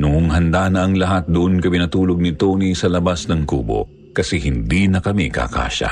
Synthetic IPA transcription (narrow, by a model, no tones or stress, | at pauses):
nʊŋʊŋɦɐnd̪anɐʔɐŋlɐɦat̪̚d̪ʊʔonkɐpɪnɐt̪uːloɡ̚nɪt̪onisɐlɐbasnɐŋkuːbo̞̰ | kɐsɛhɪnd̪inɐkɐmikɐ̰ka̰ːʃɐ̰